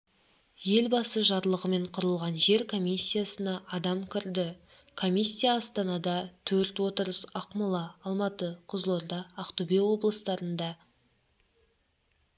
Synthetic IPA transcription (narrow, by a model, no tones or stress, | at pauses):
je̞lbɑsəʒɑɾlˠəʁəme̞ɴqʰʊɾəlˠʁɑnʒe̞ɾkʰo̞mʲijsʲːijasənɑʔːd̪ɑmkʲʰɪɾd̪ɪ | kʰo̞mʲisʲːijaːst̪ɑnɑd̪ɑt̪ʰɵɾt̪wo̞t̪əɾəsɑqmʊlˠɑːlˠmɑt̪əqʰʊzlˠoɾd̪ɑːqt̪ubewo̞blˠəst̪ɑɾənd̪ɑ